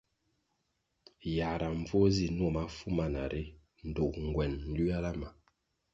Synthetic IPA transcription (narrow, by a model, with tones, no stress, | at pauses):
ja˨ɾa˨ɱ̩˨vwɔ˦zi˨n˦ɔ˦˨ma˦fu˦ma˨na˨ɾe˦ | n̩˨do˨k̚ŋ̩˨ɡwɛ˨nn̩˦li˦a˦la˦ma˨